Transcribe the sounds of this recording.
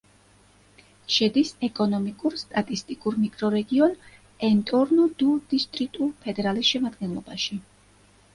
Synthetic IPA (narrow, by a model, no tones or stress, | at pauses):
ʃɛd̪isɛkʼɔnɔmikʼuɾst̪ʼat̪ʼist̪ʼikʼuɾmikʼɾɔɾɛɡiɔn | ɛnt̪ʼɔɾnɔd̪̥ud̪̥ist̪ʼɾikt̪ʼulpʰɛd̪ɛɾalisʃɛmad̪ɡɛnlˠɔ̰baʃi